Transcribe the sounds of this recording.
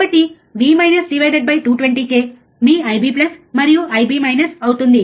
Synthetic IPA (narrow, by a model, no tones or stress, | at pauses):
pɐt̪i | ʋiːmɐjnɐsɖiʋɐjɖeɖ̚bɐjʈuːʈʋeɳʈiːkeː | miːɐjbiːplɐsmɐɾijuʔɐjbiːmɐjnɐsɐwt̪und̪i